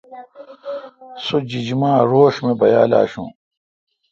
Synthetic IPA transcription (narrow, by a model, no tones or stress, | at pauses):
sod͡ʑid͡ʑmaːɾoːɕmẽbɐjaːla̰ːɕṵ̃ː